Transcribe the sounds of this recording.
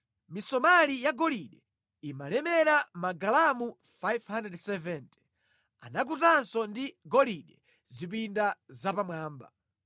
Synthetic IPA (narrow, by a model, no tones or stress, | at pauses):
misɔmalijaɡɔliɗɛ | imalɛmɛɾamaɡalamu | fajvhandɛdsɛvɛnt | a̰nak̬utansɔndiɡɔliɗɛ | zip̬indazapamwaːmba̰